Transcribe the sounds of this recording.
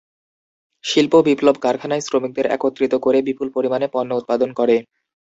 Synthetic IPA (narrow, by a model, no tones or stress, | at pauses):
ʃilpobiplobʱkaɾkʰanaesɾomik̚d̪eɾɛ̰kot̪ːɾit̪okoɾebipulpoɾimanepɔnːout̪̚pad̪onkoɾe